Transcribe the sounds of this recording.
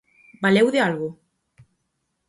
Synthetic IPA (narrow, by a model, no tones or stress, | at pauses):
balewðealɣʊ